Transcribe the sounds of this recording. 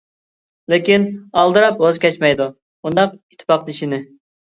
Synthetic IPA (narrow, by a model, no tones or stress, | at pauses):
lɪkʲinɑlˠd̪ɨɾɑpwozkʲʰɛt͡ʃmɛjd̪u | und̪ɑqit̪ʰːɪ̥pɑqd̪iʃinɪ